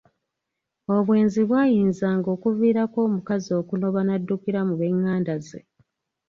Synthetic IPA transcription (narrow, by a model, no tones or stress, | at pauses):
o̞βwe̞ːnziβwaːjiːnzaːŋɡo̞ːkuviːɾako̞ːmukazio̞ːkuno̞βanadːukiɾamuβe̞ŋːaːndazḛ